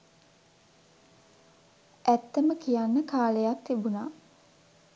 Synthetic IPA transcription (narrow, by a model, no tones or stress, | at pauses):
ʔæt̪ːəməkijanːəkaːləjat̪ːibuna